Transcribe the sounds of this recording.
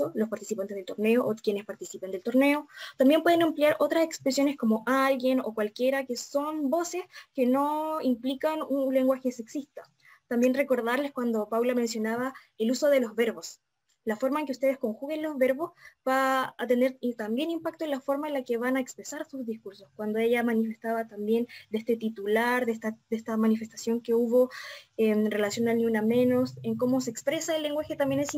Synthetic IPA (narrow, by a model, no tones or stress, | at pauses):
olo̞spaɾt̪isipant̪ezðelt̪o̞ɾneoʔokjene̞spaɾt̪isipend̪e̞lt̪oɾne̞ot̪ambje̞mpwe̞ðenampljaɾʔo̞t̪ɾase̞kspɾesjo̞nesko̞mo̞ʔalɣje̞no̰kwalkje̞ɾakeso̞nbo̞se̞ske̞no̞implikanunle̞ŋɡwaxeseksist̪a | t̪ambje̞nreko̞ɾðaɾleskwand̪o̞pawlame̞nsjo̞naβa | eluso̞ðe̞lo̞zβeɾβo̞s | lafo̞ɾmaeŋkeust̪e̞ð̞esko̞ŋxuɣe̞nlo̞zβe̞ɾβo̞sbaːt̪e̞ne̞ɾt̪ambje̞nimpak̚t̪oenlafo̞ɾmaenlakeβanaekspɾesaɾsuzðiskuɾso̞skwand̪oeʝamanife̞st̪aβat̪ambje̞nd̪eest̪e̞t̪it̪ulaɾðest̪ad̪est̪amanife̞st̪asjo̞ŋkeuβo̞emre̞lasjo̞nalniuname̞no̞seŋko̞mo̞seːkspɾe̞saelːe̞ŋɡwaxe̞t̪ambje̞nes